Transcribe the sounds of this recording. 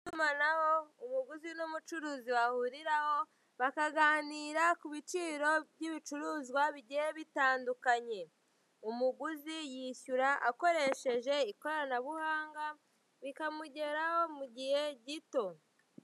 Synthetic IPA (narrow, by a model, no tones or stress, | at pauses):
tumanaho̞umuɡuzinumut͡ʃuɾuːziwahuɾiɾaho̞ | βakaɡaːniːɾakuβit͡ʃiːɾo̞bɟiβit͡ʃuɾuːzɡwaβiɟiheβitaːndukaɲe̞ | umuɡuzijiçuɾaʔako̞ɾe̞ʃe̞ʒe̞iko̞anaβuhaːŋɡa | βikamuɟe̞ɾaho̞muɟihe̞ɟito̞